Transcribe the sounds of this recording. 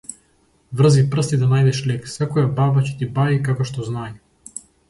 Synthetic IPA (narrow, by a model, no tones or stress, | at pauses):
vr̩zipr̩st̪id̪anajd̪ɛʃlɛksɛkɔjababacɛ̥t̪ibaikakɔʃt̪ɔznaj